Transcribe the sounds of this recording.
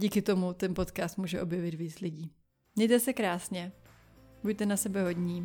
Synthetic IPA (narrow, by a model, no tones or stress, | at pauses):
ɟiːkɪt̪o̞mut̪ɛnpo̞t̪kaːst̪muːʒɛʔo̞bjɛvɪt̪viːt͡slɪɟiː | ɲɛjt̪ɛsɛkɾaːsɲɛ | bujt̪ɛnasɛbɛɦo̞ɟɲiː